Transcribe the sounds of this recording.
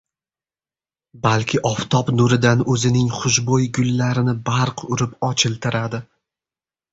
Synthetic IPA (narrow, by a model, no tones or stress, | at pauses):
balkʲʰɪʔɒft̪ʰɒpnʊɾɪd̪anɵzɪnɪŋχʊʃbojɡʊlːaɾɪnɪbaɾqʰʊɾɪpɒt͡ʃʰɪlˠt̪ʰɪɾad̪ɪ